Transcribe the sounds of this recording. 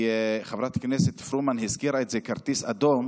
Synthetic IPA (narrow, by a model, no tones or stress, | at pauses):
χavɾat̪knɛsɪtfɾumanɦɪskiɾaɪtzekaɾt̪isad̪ɔm